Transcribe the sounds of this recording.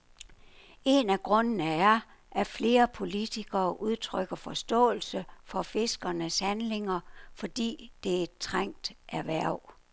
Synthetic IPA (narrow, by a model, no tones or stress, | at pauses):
e̝næɡ̥ʁɔ̽nənəæɐ | ʔæfle̝ːɐpʰo̝lit͡sʰiɡ̥ɐːʔuð̞ˠt͡sʰʁœɡ̥ɐfɒ̽sd̥ɔ̰̽ːl̩səfɒ̽fe̝sɡ̥ɐnəshænle̝ŋɐfɒ̽d̥ḭːd̥e̝ed̥̚t͡sʰʁaŋ̰d̥ʔæɐʋæɐ̰ʊ̰